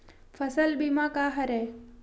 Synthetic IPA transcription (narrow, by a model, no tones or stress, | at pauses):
fɐsəlbimãkaːɦɐɾeː